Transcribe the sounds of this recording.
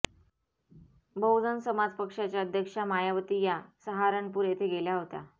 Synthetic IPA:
bəwd͡zənsəmad͡zpəkʂat͡ɕjaəd̪ʱjəkʂamajaʋət̪iːjasəɦaɾəɳpuːɾjet̪ʰeɡeljaɦot̪a̰

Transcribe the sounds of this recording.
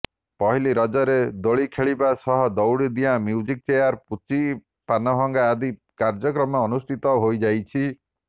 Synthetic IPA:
pɔɦiliɾɔd͡ʒɔɾed̪oɭikʰeɭibasɔɦɔd̪ɔwɽid̪ijãmjuwd͡ʒik̚t͡ʃejaɾput͡ʃi | panɔɦɔŋɡaːd̪i | kaɾd͡ʒɔk̬ɾɔmɔːnust̪ʰit̪ɔɦojd͡ʒajt͡ʃʰi

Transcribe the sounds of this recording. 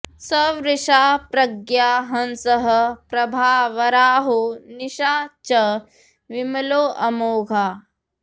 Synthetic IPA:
sɐʋɾɪʃaːpɾɐɡjaːɦɐnsɐɦɐ̆pɾɐbʱaːʋɐɾaːɦuniʃaːt͡ʃɐ | ʋimɐloːʔɐmoːɡʱaː

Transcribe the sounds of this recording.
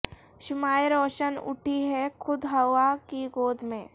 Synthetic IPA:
ʃʊmaːjɾɔːʃənʊ̰ʈʰiɦɛkʰʊd̪ɦɐʋakiɡoːd̪ʱmẽː

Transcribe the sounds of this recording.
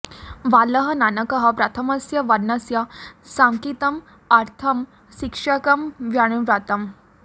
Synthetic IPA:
ʋaləɦɐnanɐkəɦɐpɾɐt̪ʰɐmɐsjɐʋɐɾnɐsjɐsamkit̪ɐm | ɐɾt̪ʰɐm | ɕikʂɐkɐmʋjaɳ̃uɾat̪ɐm

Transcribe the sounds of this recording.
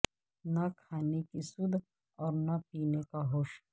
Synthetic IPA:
nakʰaːnekisʊd̪ʱ | ɔːɾnapiːnekaɦoːʃ

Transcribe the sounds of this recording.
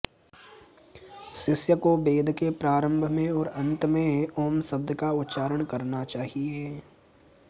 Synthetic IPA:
sɪsjəkobeːd̪ʱkepɾaːɾə̃mbʱmẽɔːɾɐ̃nt̪mẽɔːmsəb̚d̪kaʊt̪ːʃaːɾəɽ̃kɐɾnat͡ʃaːɦieː

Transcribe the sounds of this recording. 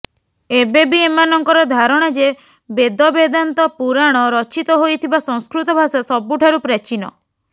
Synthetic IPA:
ebebiemanɔŋkɔɾɔd̪ʱaɾɔɽ̃ɔd͡ʒe | bed̪ɔbed̪ant̪ɔpuɾaɽ̃ɔɾɔt͡ʃit̪ɔɦojt̪ʰibasɔŋskɾut̪ɔbʱasasɔbuʈʰaɾupɾat͡ʃinɔ̰

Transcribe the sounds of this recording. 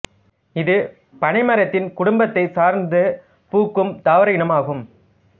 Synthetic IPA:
ɪðɯ | pɐɳɪmɐɾɐt̪ːɪnkʊɽʊmbɐt̪ːɐɪsaːɾnd̪ɯ | puːkːɯmd̪aːʋɐɾɐjɪɳɐmaːɣɯm

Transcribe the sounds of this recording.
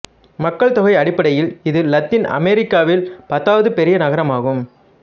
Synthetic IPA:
mɐkːɐɭt̪ɔɣɐɪɐɽɪpːɐɽɐjɪlɪðɯːɐt̪ːɪnɐ̰meːɾɪkːaːʋɪlpɐt̪ːaːʋɐðɯpɛɾɪjɐnɐɣɐɾɐmaːɣɯm

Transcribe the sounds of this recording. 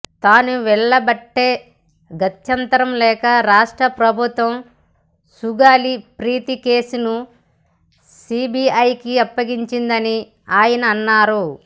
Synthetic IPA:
t̪aːnuʋɛɭːɐbɐʈːe̞ː | ɡɐt̪jɐnt̪ɐɾɐmlɛːkɐɾaːʂʈɾɐpɾɐbʱut̪ʋɐm | suɡaːlipɾiːt̪ikeːsunu | siːbiɐjkiɐpːɐɡiɲt͡ʃind̪ɐni | aːjɐnɐːnːaːɾu

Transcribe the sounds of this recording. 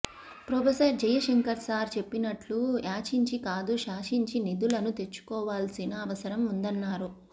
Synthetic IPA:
pɾopesɐɾd͡ʒɐjɐʃeŋkɐɾsaːɾt͡ʃe̞pːinɐʈluaːt͡ʃiɲt͡ʃikaːd̪uʃaːʂiɲt͡ʃinid̪ulɐnut̪e̞t͡ʃːu̥kɔːʋaːlsinɐːʋɐsɐɾɐmund̪ɐnːaːɾu

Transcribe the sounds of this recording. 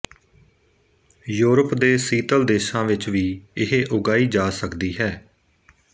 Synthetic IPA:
juːɾəpd̪eːsiːt̪əld̪eːʃãːʋɪt͡ʃʋiːɪɦeʔʊɡaːiːd͡ʒaːsəkd̪iːɦɛː

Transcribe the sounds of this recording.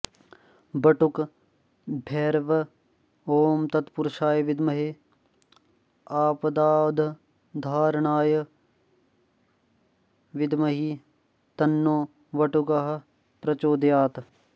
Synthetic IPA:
bɐʈuk | bʱeːɾʋɐ | oːmt̪ɐt̪pʊɾʃaːjʋɪd̪mɐɦe | aːpd̪aːd̪ʱ | d̪ʱaːɾɳaːjɐ | ʋɪd̪mɐɦi | t̪ɐnːoː | ʋɐʈukaɦɐ̆ | pɾɐt͡ʃoːd̪jaːt̪

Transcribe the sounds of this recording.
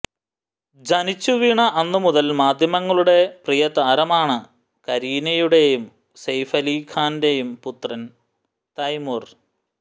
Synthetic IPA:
d͡ʑɐnit͡ɕːuʋiɳɐʔɐnːɨmuðɐlmaːd̪ʱjɐmɐŋːɐɭuɽe̞prijɐt̪aːɾɐmaːɳɨ | kɐɾiːnɐjuɽe̞jum | sɐjfɐliːkʰaːnde̞jumput̪rɐn | t̪ɐjmur

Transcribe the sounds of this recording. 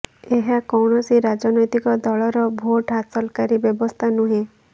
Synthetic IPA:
eɦakɔwɳɔsiɾad͡ʒɔnɔjt̪ikɔd̪ɔɭɔɾɔbʱoʈɦasɔlkaɾibjɔbɔst̪ʰanuɦẽ

